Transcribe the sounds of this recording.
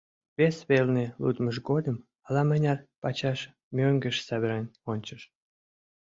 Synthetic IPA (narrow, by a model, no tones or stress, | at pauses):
βesβelnelṵd̪məʃ̬ɡod̪əm | ɑlɑmənʲɑrpɑt͡ɕɑʃ | mʲøŋɡəʃsæβəɾɑnʲonʲt͡ɕəʃ